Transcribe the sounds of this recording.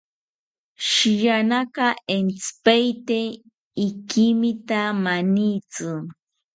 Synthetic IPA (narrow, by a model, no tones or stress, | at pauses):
ʃɪjanɑkɑent͡spajt̪e | ɪkimɪt̪amanijt͡sʊ